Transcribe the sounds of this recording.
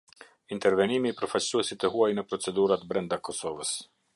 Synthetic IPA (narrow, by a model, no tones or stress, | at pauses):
int̪ɛɾvɛnimiːpɾɔfat͡ɕsuɛsit̪ɛɦuajnəpɾɔt͡sɛd̪uɾat̪bɾɛnd̪akɔsɔvəs